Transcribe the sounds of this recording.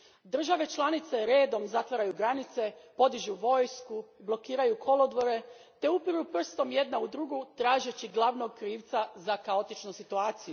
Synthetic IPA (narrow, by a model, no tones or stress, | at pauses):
d̪r̩ʒaʋe̞t͡ʃlˠanit̪seɾeːd̪o̞mzat̪ʋaɾajuɡɾanit̪se̞po̞d̪iʒuʋo̞ːjskublˠo̞kiːɾajukʰo̞lo̞d̪ʋo̞ɾe̞ | t̪e̞upiɾupr̩st̪o̞mje̞d̪naud̪ɾuɡut̪ɾaːʒet͡ɕiɡlˠaʋno̞ɡ̚kɾiːʋt̪sazakao̞t̪it͡ʃnusit̪uaːt̪siju